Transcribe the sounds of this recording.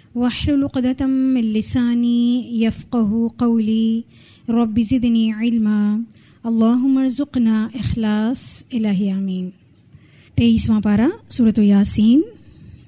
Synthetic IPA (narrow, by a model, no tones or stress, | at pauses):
waħlʊlʊqd̪ɐt̪ːɪnːɪsaːniːjafqaɦuqawliː | ɾˤɑbːizɪd̪niːʕɪlmaː | ɐlˤːaːɦʊmːaɾzʊqnaːʔɪxlaːsɪlaːɦiaːmiːn | t̪eːiːsmãːpaːɾasuːɾɐt̪jaːsiːn